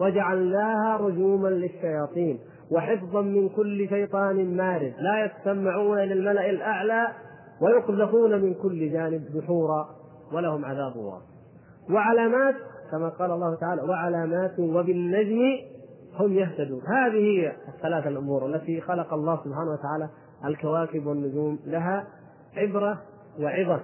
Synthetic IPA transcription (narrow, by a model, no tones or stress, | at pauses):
wad͡ʒaʕalnaːhaɾˤʊd͡ʒuːmanlɪʃːajɑːt̪ˤiːn | waħɪfðˤɑnmɪnkʊlːɪʃajt̪ˤɑːnɪmaːɾɪd̪laːjast̪amːaʕuːnaɪlalmalaʔalʔaʕlaː | wajʊqd̪afuːnamɪnkʊlːɪd͡ʒaːnɪb̚ðʊħuːɾˤɑ | walahʊmʕaðaːbʊ̰lwɑ̰ːs | wɪʕalaːmaːt̪kamaqɑːlʔɑlːˤɑːhʊt̪aʕaːlawaʕalaːmaːt̪wabɪnːad͡ʒm | hʊmjaht̪ad̪uːnhaːðihɪjːaaθːalaːθalʔʊmuːɾˤʔalːat̪ixɑlɑqɑɑlˤːɑːhsʊbħaːnawat̪aʕaːla | ʔalkawaːkɪbwanːʊd͡ʒuːmlaɦa | ʕɪbɾˤa | wɪʕɪða